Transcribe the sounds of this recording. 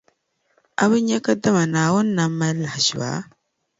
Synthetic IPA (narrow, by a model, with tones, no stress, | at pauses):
a˦βɨ˦ɲɛ˦ka˦da˦ma˨naː˨wʊ˦nː˦a˦mːa˦la˨hʒi˨ba̰˨˦